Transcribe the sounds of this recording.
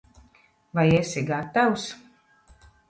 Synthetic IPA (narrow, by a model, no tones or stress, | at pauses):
vajesʲiɡat̪aws